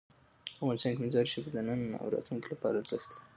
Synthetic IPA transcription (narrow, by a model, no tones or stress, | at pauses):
afɣɑnɪst̪ɑnkemɪzɑɾiʃebed̪ənəna̰wɾɑ̰t̪luŋkilapɑ̰ɾaɾz̥əxt̪lai